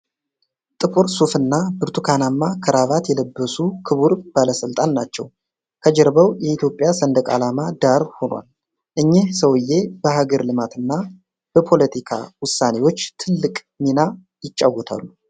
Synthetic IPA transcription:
t̪ʼɨpʰoɾsufɨnːabɨɾt̪ʰukʰanamːakʰəɾaβat̪jɛləbːəsukʰɨβuɾb̥aləsɨlt̪ʼanːat͡ʃːɛ̰w | kʰəd͡ʒɛɾbəwjɛit̪ʰjo̞pʼjasənd̪əkʼa̰lamad̪aɾho̞nwa̰l | ʔɨɲːehsəwɨjːe̞bəɦaɡəɾlɨmat̪ɨnːa | b̥əpʰo̞lət̪ʰikʰa̰wʊsːane̞wo̞t͡ʃːt̪ʰɨlːɨkʼ | mina | jɪt͡ʃʼːawːɔt̪ʰa̰lːu

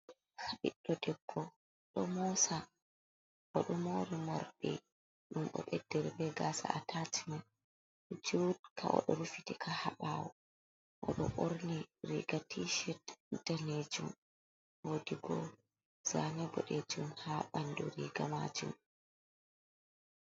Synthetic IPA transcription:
haɓiɗːɔdɛbːɔ | ɗɔmɔsa | ʔɔɗɔmoɾimaɾɓɛ | ɗumʔɔ̰ɓɛdːɛɾbɛɡasa̰ʔatʰatʰiman | d͡ʒudkʰa̰ʔɔ̰ɗɔɾufitikʰahaɓaːwɔ | ʔɔɗɔ̰ʔoɾniɾḭɡatʰiʃɛtdaned͡ʒum | wodiɡɔ | z̥anɛbɔɗed͡ʒumhaɓanduɾiɡamad͡ʒṵm

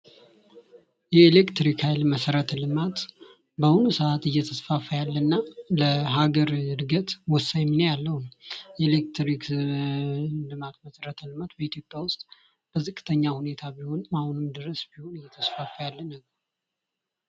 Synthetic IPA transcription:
jɛːlekt̪ɾikʰajlməsəɾət̪lɨmat̪ | bəhunusəat̪ɨjːɛt̪ʰəsfafəjalːənːaləɦaɡəɾɨd̪ɡət̪wɔsajminajalːəhumjɛlekt̪ɾik | lɨmat̪məsəɾət̪ʰlɨmat̪bəet̪ʰjo̞pʼːjawʊst̪ʼ | b̥əzɨkʼːɨt̪ʰəɲːahune̞t̪ʰabiho̞nmahunɨmd̪ɨɾəsbiho̞nɨjːɛt̪ʰəsfafəjalːənːəɡəɾ

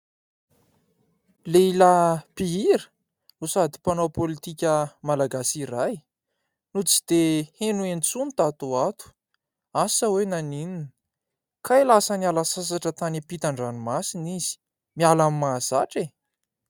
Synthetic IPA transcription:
leilapiiɾə | nusad̪ipanopolit̪ikʲəmalaɡasiɾaj | nut͡si̥d̪̥ehenuent͡sunt̪at̪uat̪u̥ | asəwenanininə̥ | kʰajlasənialasas̬aʈ͡ʂət̪anipit̪aɳɖ͡ʐanumasiniz̥i̥ | mialammaz̥aʈ͡ʂe

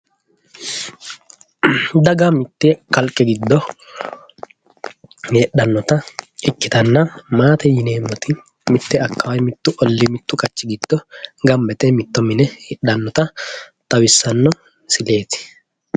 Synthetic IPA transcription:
d̪ɐɡamɪt̪ːɛkɐlkʼːɛɡɪd̪ːɔ | jɛɗːɐnːɔt̪ɐɪkːɪt̪ɐnːɐmaːt̪ɛjɪne̞ːmːɔt̪ɪ | mɪt̪ːɛɐkːɐwɐjmɪt̪ːʊʔɔlːɪmɪt̪ːʊkʼɐt͡ʃːɪɡɪd̪̥ːɔɡɐmbɛt̪ɛmɪt̪ːɔmɪnɛjɛɗːɐnːɔt̪ɐt̪ʼɐwɪsːɐnːɔ | sɪle̞ːt̪ɪ̥

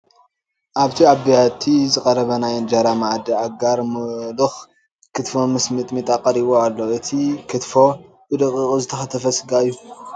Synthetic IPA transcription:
ʔaβt̪ʰiaβijat̪ʰizɨkʼɐɾɐβɐnajɨnd͡ʒaɾamaʕd̪iʕaɡaɾmɨlɨx | kʰɨt̪fo̞mɨsmɨt̪ʼmit̪ʼaqʼːɐɾiβoalːoʔɨt̪ʰikʰɨt̪fo̞ | bɨd̪ɨkʼːɨzɨt̪ʰɐxɐt̪ʰɐfɐsɨɡaɨjːu

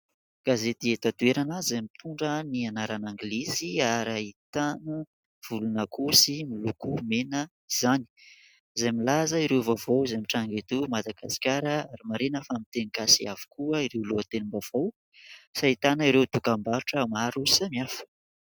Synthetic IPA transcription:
ɡ̥azet̪iet̪at̪ueɾanazamit̪ʰuɳɖ͡ʐənianaɾanaŋɡleziaɾait̪anə | v̥ulunəkusimilukumenə | iz̥ani̥ | izajmilazəiɾewvovowizamiʈ͡ʂaŋɡet̪umad̪aɡ̥asi̥kʲaɾəaɾimaɾenəfamit̪enikasiavu̥kuəiɾewluət̪enimbav̥ow | sait̪anaiɾewt̪ukambaɾuʈ͡ʂəmaɾusamiafə̥

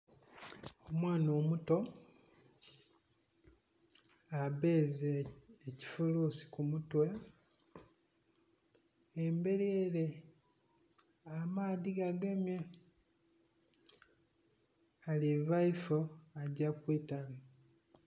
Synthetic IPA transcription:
omwaːno̞ːmuto̞ | aβeːzeːci̥fuluːsi̥kumutwe | embe̞ɾieɾe | amaːðiɡaɡe̞mja | alivaifoaɟakwiːtala

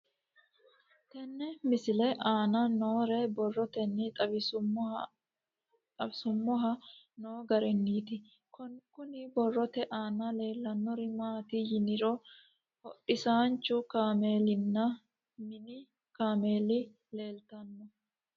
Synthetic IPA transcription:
t̪ɛnːɛmɪsɪlɛʔaːnɐnoːɾɛbɔrːɔt̪ɛnːɪt̪ʼɐbɪsʊ | t̪ʼɐbsʊmːɔɦɐ | noːɡɐɾɛnːiːt̪ɪ | kɔnkʊnɪbɔrːɔt̪ɛʔaːnɐle̞ːlːɐnːɔɾɪmaːt̪ɪjɪnɪɾɔ | hɔʔɪsaːnt͡ʃːʊkaːmeːlɪnːɐ | mɪnɪ | kaːmeːlɪ | le̞ːlt̪ɐnːɔ

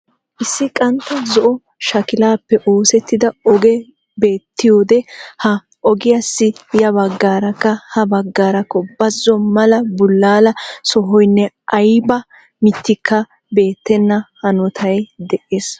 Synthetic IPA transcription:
ʔɪsːɪkʼɐnt̪ːɐzɔʔɔ | ʃɐkɪlaːpːɛʔoːsɛt̪ːɪd̪ɐɔɡɛ | be̞ːt̪ːɪjoːd̪ɛhɐ | ʔɔɡɪjasːɪjɐbɐɡːaːɾɐkːɐhɐbɐɡːaːɾɐkːɔbɐzːɔmɐlɐbʊlːaːlɐsɔɦɔjnːɛ | ʔɐjbɐ | mɪt̪ːɪkʰːɐ | be̞ːt̪ːɛnːɐhɐnɔt̪ʰɐjd̪ɛʔeːs

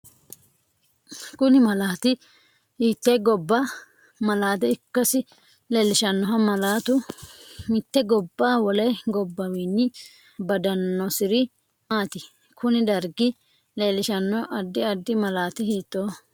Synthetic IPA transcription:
kʊnɪmɐlaːt̪ɪ | hiːt̪ːɛjɡɔbːɐ | mɐlaːt̪̬ɛɪkːɐsɪ | leːlɪʃɐnːɔɦɐmɐlaːt̪ʊ | mɪt̪ːɛɡɔbːaːwɔlɐjɡɔbːɐwiːnːɪ | bɐd̪ɐnːɔsɪɾɪ | maːt̪ɪ | kʰʊnɪd̪ɐɾɡɪ | leːlɪʃɐnːɔʔɐd̪ːɪɐd̪ːɪmɐlaːt̪ɪhiːt̪ːoː

